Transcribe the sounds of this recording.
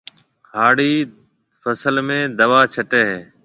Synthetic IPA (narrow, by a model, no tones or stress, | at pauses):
haːɽiː | fəsəlmẽːd̪əʋaːt͡ʃʰəʈeːɦeː